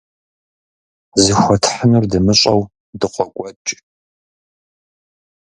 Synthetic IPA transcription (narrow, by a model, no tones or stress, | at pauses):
zɨxʷɔtʰħənɨrdɨmɨɕʼɐw | dɨqʷɔkʷʼɔt͡ʃʼ